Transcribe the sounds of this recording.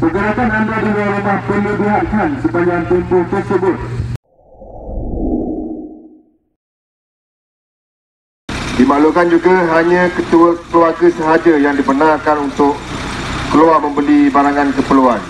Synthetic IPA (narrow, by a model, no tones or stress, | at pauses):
pəɡuɾak̪anandadamə̃ŋɾamahpələbiɦat̪̚kansəbaɲd͡ʒaŋt̪umpʊht̪ərsəbʊt̪̚ | dimalukand͡ʒuɡaɦaɲãkət̪uəkluaɡəsəɦad͡ʒajaŋdipənãŋkanunt̪ʊʔkəluamə̃mbəlibaɾaŋãnkəpəluan